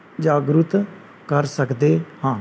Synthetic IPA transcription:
d͡ʒaːɡɾʊt̪ | kəɾsəkd̪eːhãː

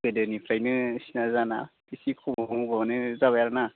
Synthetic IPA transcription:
bɯdɯnipʰɾajnɯsinazanabisikʰɔbɔŋbanɯzaβajaɾana

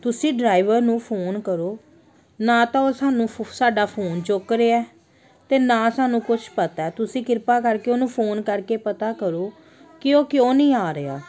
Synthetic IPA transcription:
t̪ʊsĩːɖɾaːiʋəɾnũːpʰoːnkəɾoː | nãːt̪ãːoːsaːnũːsaːɖaːpʰoːnt͡ʃʊkɾeːaɛː | t̪eːnãːsaːnũːkʊt͡ʃʰpət̪aːt̪ʊsĩːkɪɾpaːkəɾkeːoːnũːpʰoːnkəɾkeːpət̪aːkəɾoː | kɪoːkjõːnĩːaːɾea̰ː

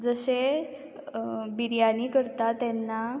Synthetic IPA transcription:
d͡zəse | biɾjanikəɾt̪at̪ɛnːa

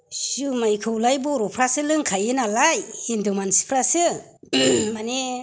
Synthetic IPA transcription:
sumajkʰɯwlajbɔɾɔpʰɾasɯlɯŋkʰajɯnalajindumansi̥pʰɾasɯ | mane

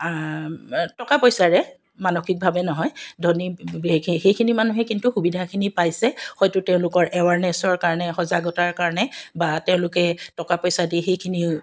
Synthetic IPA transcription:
tɔkapɔjsaɹɛ | manoxik̚bʱabɛnɔɦɔjdʱɔni | xejkʰinimanuɦɛkintuxubidʱakʰinipajsɛxɔjtʊtɛʊ̃lʊkɔɹɛwaɹnɛsɔɹkaɹɔnɛxɔzaɡɔtaɹkaɹɔnɛbatɛʊ̃lʊkɛtɔkapɔjsadixejkʰini

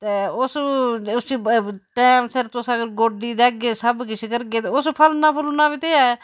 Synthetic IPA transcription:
t̪eːʊsʊsiːʈɛːmsɪɾt̪ʊsəɡəɾɡoːɖiːd̪ɛːk̚ɡeːsəbkɪt͡ʃʰkəɾɡeːt̪eːʊspʰəlnaːpʰəluːnaːbiːt̪eːɛː

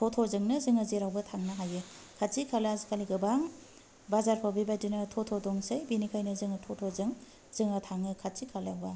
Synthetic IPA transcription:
tʰɔtʰozɯŋnɯzɯŋɐzeɾawbɐtʰaŋnɐɦajɯ | kʰatt͡ʃikʰalazikʰaliɡɯbaŋ | bazaɾpʰawbibajdinɐtʰɔtʰodɔŋsejbinikʰajnɐzɯŋɯtʰotʰozɯŋ | zɯŋɐtʰaŋɯkʰat͡ʃikʰalawba

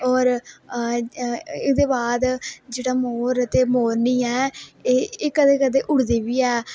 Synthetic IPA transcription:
ɔːɾ | ɪkd̪eːbaːd̪d͡ʒeːɽaːmoːɾt̪eːmoːɾnĩːɛːeːeːkəd̪eːkəd̪eːʔʊɽd̪eːʋiːɛː

